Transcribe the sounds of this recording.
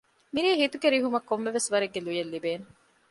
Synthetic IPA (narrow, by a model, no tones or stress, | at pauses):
miɾiːɦit̪uɡeɾiɦumɐkːomːeʋesʋɐɾeɡːelujelːibeːne